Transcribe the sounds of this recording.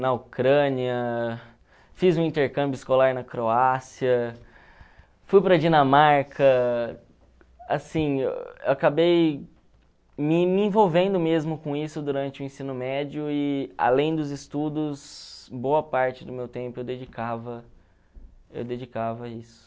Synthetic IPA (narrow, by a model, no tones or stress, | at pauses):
nɐokɾɐ̃niɐ | fizũĩnt̪eɾkɐ̃mbjʊɪskolaɾnɐkɾoasiɐ | fujpɾɐd͡ʒinɐmaɾkɐ | a̰sḭ̃ḛwakabej | mɪmɪĩvowvẽnd̪ʊmezmʊkõisʊd̪uɾɐ̃nt͡ʃɪʊẽsĩnʊmɛd͡ʒiʊɪa̰lẽj̃d̪ʊzɪst̪ud̪ʊsbowɐpaɾt͡ʃɪd̪ʊmewt̪ẽmpʊewd̪ed͡ʒikavɐ | ḛwd̪ed͡ʒikavɐisʊ̥